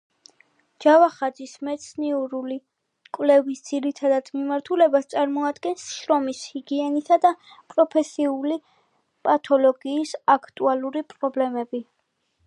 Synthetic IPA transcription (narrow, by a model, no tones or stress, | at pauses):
d͡ʒavaχad̪zismɛt̪sʰniuɾuli | kʼwvlɛvisd̪z̥iɾit̪ʰad̪ad̪̥mimaɾt̪ʰulɛbast̪sʼaɾmɔad̪ɡɛnsʃɾɔmishiɡiɛnisad̪a | pʼɾɔpʰɛsiuli | pʼat̪ʰɔlɔɡiːsakʰt̪ʼualˠuɾipʼɾɔblɛmɛbi